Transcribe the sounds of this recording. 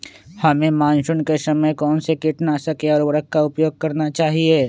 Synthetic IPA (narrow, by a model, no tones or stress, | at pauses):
hɐmẽmãːnʃʊnkesɐməjkɔːnsekɪʈnasɐkeɔːɾʋɾəkkːaʊpjoːɡ̚kɐɾnat͡ʃaːɦieː